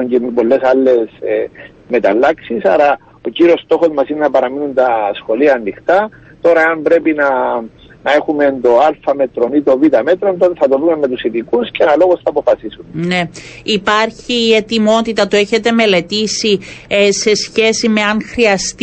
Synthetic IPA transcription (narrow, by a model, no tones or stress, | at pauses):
ɲcempo̞lːe̞sɐlːe̞s | me̞t̪ɐlːɐksisɐɾɐ | o̞ciɾio̞st̪o̞xo̞zmɐsinenɐpɐɾɐminunt̪ɐsxo̞liɐːnːixt̪ɐ | t̪o̞ɾɐeɐmbɾe̞pinɐ | nɐe̞xume̞nd̪o̞alfɐme̞t̪ɾonit̪o̞vit̪ɐme̞t̪ɾo̞nt̪o̞t̪eθɐt̪oðumemːe̞t̪usiðikusceenɐlo̞ɣosθɐːpo̞fɐsisunne̞ipɐɾçiːe̞t̪imo̞t̪it̪ɐt̪ue̞çe̞t̪e̞me̞le̞t̪isise̞sçe̞sime̞ɐnxɾiɐst̪